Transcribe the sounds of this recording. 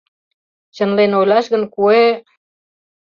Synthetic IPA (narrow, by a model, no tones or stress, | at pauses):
t͡ɕə̆nlenojlʲɑʃɣə̆nkue